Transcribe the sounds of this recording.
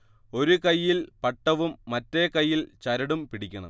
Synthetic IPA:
o̞ɾukɐjːilpɐʈːɐʋumːɐtːekɐjːilt͡ɕɐɾɐɽumpiɽikʲːɐɳɐ̰

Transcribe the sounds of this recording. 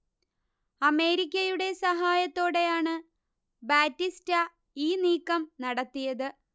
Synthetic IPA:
ɐme̞ːɾikʲːɐjuɽe̞sɐɦaːjɐt̪ːo̞ːɽe̞jaːɳɨ | baːtːistɐ | iːniːkːɐmnɐɽɐt̪ːijɐðɨ

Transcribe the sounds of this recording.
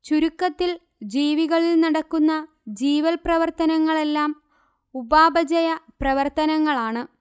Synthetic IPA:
t͡ɕuɾukːɐt̪ːil | d͡ʑiːʋiɣɐɭilnɐɽɐkːunːɐ | d͡ʑiːʋɐlprɐʋɐrt̪ɐnɐŋːɐɭe̞lːaːm | ubaːbɐd͡ʑɐjɐprɐʋɐrt̪ɐnɐŋːɐɭaːɳɨ

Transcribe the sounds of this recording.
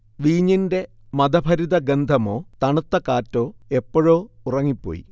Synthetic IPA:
ʋiːɲːinde̞ | mɐd̪ɐbʱɐɾiðɐɡend̪ʱɐmo̞ːt̪ɐɳut̪ːɐkaːtːo̞ːe̞pːoɻoːurɐŋːipːo̰ːjḭ

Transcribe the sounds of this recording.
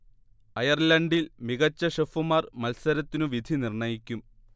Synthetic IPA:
ɐjɐrlɐɳɖilmiɣɐt͡ɕːɐʂefumaːrmɐlsɐɾɐt̪ːinuʋid̪ʱinirɳɐjikʲːum

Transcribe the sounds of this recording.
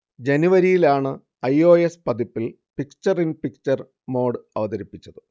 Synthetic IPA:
d͡ʑe̞nuʋɐɾijilaːɳɨ | ɐjo̞ːespɐd̪ipːil | pikt͡ɕːɐrinpikt͡ɕːɐr | mo̞ːɖɨɐʋɐðɐɾipːit͡ɕːɐðɨ

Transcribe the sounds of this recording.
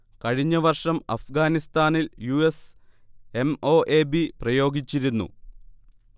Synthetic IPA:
kɐɻiɲːɐʋɐrʂɐmɐ̰fɡaːnist̪aːniljues | e̞mo̞ːʔe̞ːbiprɐjo̞ːɡit͡ɕːiɾunːṵ

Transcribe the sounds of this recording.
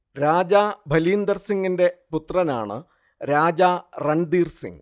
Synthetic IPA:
ɾaːd͡ʑaːbʱɐliːnd̪ɐrsiŋɡinde̞put̪rɐna̰ːɳɨ̰ | ɾaːd͡ʑaːrɐɳd̪iːrsḭŋ

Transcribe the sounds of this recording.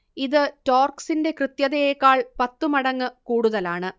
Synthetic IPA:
iðɨtoːrksinde̞krɨt̪jɐðejekːaːɭpɐt̪ːumɐɽɐŋːɨkuːɽuðɐlaːɳɨ

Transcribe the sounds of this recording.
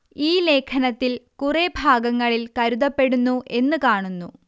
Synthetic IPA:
iːle̞ːkʰɐnɐt̪ːilkurebʱaːɡɐŋːɐɭilkɐɾuðɐpːe̞ɽunːuʔe̞nːɨkaːɳunːu

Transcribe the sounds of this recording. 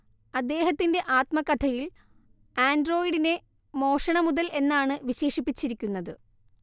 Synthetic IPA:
ɐd̪ːe̞ːɦɐt̪ːinde̞ʔaːt̪mɐkːɐt̪ʰɐjil | aːndro̞ːjiɽine̞ | mo̞ːʂɐɳɐmuðɐlʔe̞nːaːɳɨʋiɕe̞ːʂipːit͡ɕːiɾikʲːunːɐðɨ

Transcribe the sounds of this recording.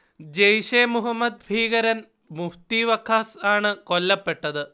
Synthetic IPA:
d͡ʑejʂeːmuɦɐmːɐd̪̚bʱiːɣɐɾɐn | muft̪iʋɐkʰːaːsaːɳɨko̞lːɐpːe̞ʈːɐðɨ

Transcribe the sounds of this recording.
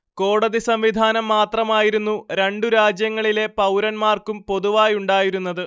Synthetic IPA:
ko̞ːɽɐðisɐmʋid̪ʱaːnɐmːaːt̪rɐmaːjiɾunːuɾe̞ɳɖuɾaːd͡ʑjɐŋːɐɭile̞pɐwɾɐnmaːrkumpo̞ðuʋaːjuɳɖaːjiɾunːɐðɨ

